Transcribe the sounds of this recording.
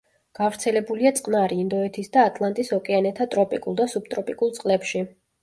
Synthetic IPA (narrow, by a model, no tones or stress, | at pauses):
ɡ̥avɾt̪sʰɛlɛbuliat̪sʼqʼnaɾiːnd̪ɔɛt̪ʰisd̪aːt̪ʼlˠant̪ʼisɔkʼɛanɛt̪ʰat̪ʼɾɔpʼikʼulˠd̪asub̚t̪ʼɾɔpʼikʼulˠt̪sʼqʼlɛpʃi